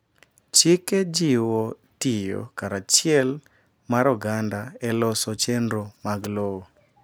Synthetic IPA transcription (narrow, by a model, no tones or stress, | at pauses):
t͡ʃɪkɛd͡ʒɪwo | tɪjo̰kaɾat͡ʃɪɛl | maɾɔɡandaɛlɔsɔt͡ʃɛndɾomaɡlowo